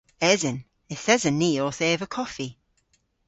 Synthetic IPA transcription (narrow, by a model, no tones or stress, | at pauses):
ɛzən | ɪθɛzənːiːɔːθeːvəkʰɔfi